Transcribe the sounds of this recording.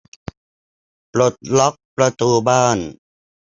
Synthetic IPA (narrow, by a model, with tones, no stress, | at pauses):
pɾo˨˩t̪̚lɔ˦˥k̚pɾa˧t̪uː˧baː˥˩n